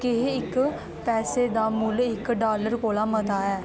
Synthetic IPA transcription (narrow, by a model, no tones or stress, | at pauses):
kɪɦɪk | pɛːseːd̪aːmʊlɪkɖaːləɾkoːlaːmət̪aːɛː